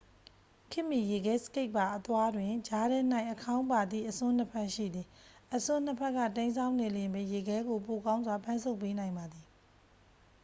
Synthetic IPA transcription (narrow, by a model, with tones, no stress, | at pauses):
kʰɪ˦ʔmi˨je˨ɡɛ˨˦sə̥ke˦ɪʔpːa˨ʔət̪wa˦dwɪ̃˨d͡ʑa˨˦ɾɛ˦n̥a˦ɪ̃ʔəkʰã˦ʊ̃pa˨d̪ðḭ˦˨ʔəsʊ̃˦n̥ə˦pʰɛ˦ʔʃḭ˦˨d̪ði˨ʔəsʊ̃˦n̥ə˦pʰɛ˦ʔkːa̰˦˨tẽ˦nsʰã˦ʊ̃ne˨ljɪ̃˨mbɛ˨je˨ɡɛ˦ɡo˨po˨kã˦ʊ̃nzwa˨pʰã˦nsʰo˦ʊpːe˦nã˨ɪ̃mba˨d̪ði˨